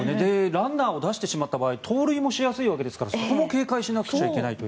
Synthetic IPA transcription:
ned̪e̞ɾãnːaːo̞d̪aɕi̥t̪e̞ɕimat̪ːabaːit̪ʰo̞ːɾɯ̟imo̞ɕijasɨiβake̞d̪e̞sɨ̥kaɾaso̞k̪o̞mo̞ke̞ːkaiɕinakɯ̟̥t͡ɕaike̞nait̪o̞

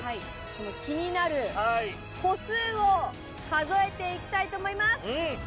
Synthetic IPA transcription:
hai | so̞no̞kʲiɲ̟inaɾɯ̟ai | ko̞sɨːo | kazo̞e̞t̪e̞ikʲi̥t̪ait̪oːmo̞imasɨ̃

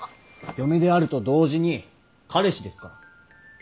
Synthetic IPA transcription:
jo̞med̪e̞aɾɯ̟t̪o̞d̪o̞ːʑiɲ̟i | kʰaɾe̞ɕid̪e̞sɨ̥ka̰

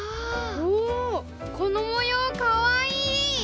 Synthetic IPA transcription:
oː | kʰonomojokaβaiː

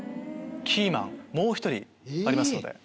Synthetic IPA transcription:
kʲʰiːmã̰ŋmo̞ːçi̥t̪o̞ɾʲḭ | aɾʲimasɨnod̪e̞̰

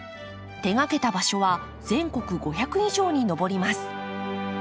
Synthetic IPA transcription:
t̪e̞ŋake̞t̪abaɕo̞βa | zẽ̞ŋko̞kɯ̟ɡo̞çakɯ̟iʑo̞ːɲ̟ino̞bo̞ɾʲimasɨ̥

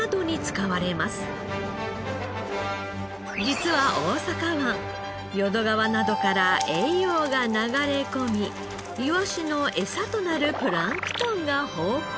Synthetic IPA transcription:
d̪o̞ɲ̟it͡sɨ̥kaβaɾe̞masɨ̥ | d͡ʑit͡sɨβaʔo̞ːsakaβã | jo̞d̪o̞ɡaβanad̪o̞kaɾaʔe̞ijoːɡanaɡaɾe̞ko̞mʲi | iβaɕino̞ʔe̞sat̪o̞naɾɯ̟pɯ̟ɾãŋkɯ̟̥t̪õŋɡahoː

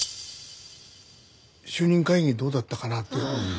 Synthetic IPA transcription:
ɕɨːɲ̟ĩŋkaiɲʲid̪o̞ːd̪at̪ːakanat̪ːe

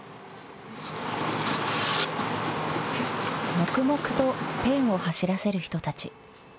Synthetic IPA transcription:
mo̞kɯ̟mo̞kɯ̟̥t̪o̞pẽ̞ɰ̃o̞haɕiɾase̞ɾɯ̟çi̥t̪o̞t̪at͡ɕi

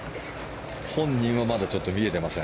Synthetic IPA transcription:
hõ̞ɲ̟ːĩɰ̃βamad̪at͡ɕo̞t̪ːo̞mʲie̞t̪e̞masẽ

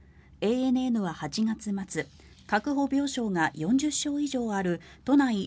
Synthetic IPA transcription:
e̞ːenɯ̟e̞nɯ̟βahat͡ɕiŋat͡sɨmat͡sɨ | kakɯ̟ɦo̞bʲo̞ːɕo̞ːŋajõ̞ɲ̟d͡ʑɨɕːo̞ːiʑo̞ːaɾɯ̟t̪o̞nai

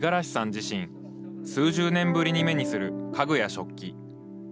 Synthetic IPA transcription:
ɡaɾaɕi̥sãɲ̟d͡ʑiɕĩɰ̃ | sɨːʑɨːnẽ̞mbɯ̟ɾʲiɲ̟ime̞ɲ̟isɨɾɯ̟kaɡɯ̟jaɕo̞kʲːi

